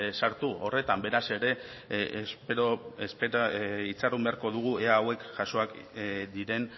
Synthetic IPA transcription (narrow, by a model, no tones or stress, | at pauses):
saɾt̪uo̞re̞t̪ambe̞ɾase̞ɾe̞ | pɾoespeit͡sarumbe̞aɾko̞ðuɣ̞ue̞aːwe̞kʝaso̞ak | d̪iɾe̞n